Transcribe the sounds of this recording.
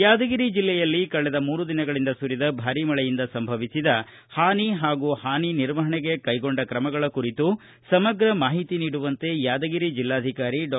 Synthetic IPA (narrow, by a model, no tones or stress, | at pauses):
jaːd̪ɐɡiɾid͡ʒilːɛjɐlːikɐɭɛd̪ɐmuːɾud̪inɐɡɐɭind̪ɐsuɾid̪ɐbʱaːɾimɐɭɛjind̪ɐsɐmbʱɐʋisid̪ɐ | haːniɦaːɡuːhaːniniɾʋɐɦɐɳɛɡe̞kɐjɡo̞ɳɖɐkɾɐmɐɡɐɭɐkuɾit̪u | sɐmɐɡɾɐmaːɦit̪iniːɽuʋɐnt̪e̞jaːd̪ɐɡiɾid͡ʒilːaːd̪ʱikaːɾiɖ